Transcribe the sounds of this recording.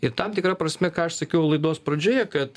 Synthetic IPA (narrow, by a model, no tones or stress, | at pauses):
ɪɾt̪ɐmt̪ʲɪkɾɐpɾɐsʲmʲɛkɑːɐʃsɐkʲɛʊlˠɐɪd̪oːspɾɐd͡ʒʲoːjɛkɐt̪